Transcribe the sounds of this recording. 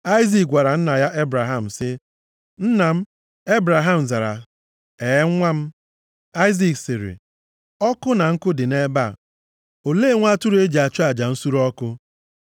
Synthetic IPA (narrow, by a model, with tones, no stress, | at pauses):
a˦ɪ˦zi˨k̚ɡʷa˨ɾa˨n̩˦na˨ja˦ʔe˦bɾa˨ɦa˨m̩˨sɪ˦ | n̩˦na˨m̩˦ | e˦bɾa˨ɦa˨m̩˨za˨ɾa˨ | e˨˦ŋ˦ŋʷa˦m̩˦ | a˦ɪ˦zi˨ksɪ˨ɾɪ̰˨ | ɔ˦kʊ˦na˨ŋ̩˦kʊ˦dɪ˨ne˦ba˦˨ | o˨le˦˨˦ŋʷa˦tu˦ɾe˦d͡ʒi˨a˨t͡ʃʊ˦a˨d͡ʒa˨n̩˦su˦ɾɔ˦kʊ˦